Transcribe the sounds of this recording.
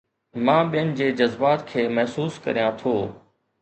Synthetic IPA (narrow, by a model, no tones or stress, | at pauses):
mãːɓijənɪ̆d͡ʑeːd͡ʑɐzbaːt̪kʰeːmɐɦsuːskɐ̰ɾijãt̪ʰoː